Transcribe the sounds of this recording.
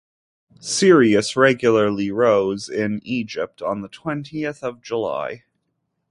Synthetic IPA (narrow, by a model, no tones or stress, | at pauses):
sɪɹiɨsɹɛɡjl̩ˠə˞lˠiɹoʊzɪ̃nid͡ʒɪp̚tn̩ðətʰw̥ɛ̃ntʰiɨθʌvd͡ʒəla̰ɪ